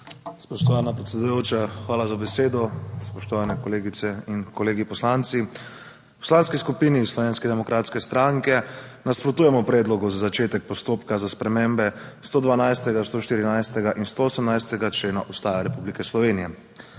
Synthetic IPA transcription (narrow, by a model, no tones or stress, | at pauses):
spɔʃt̪ɔʋaːnapɾɛt̪sʲɛd̪ujoːt͡ʃaxʋaːlazabɛseːd̪ɔspɔʃt̪ɔʋaːnɛkɔleːɡit̪sɛinkɔleːɡipɔslant̪si | pɔ̥slaːnskiskupiːnislɔʋeːnskɛd̪ɛmɔkɾʔaːt̪skɛst̪ɾaŋkɛnaspɾɔt̪uːjɛmɔpɾɛd̪lɔɡuzazat͡ʃeːt̪ɛk̚pɔst̪oːpkazaspɾɛmẽmbɛst̪oːd̪ʋanajst̪ɛɡast̪oːʃt̪iːɾinajst̪ɛɡaʔinst̪oosəmnajst̪ɛɡat͡ʃleːnaʔust̪aːjaɾɛpublikɛslɔʋeːnijɛ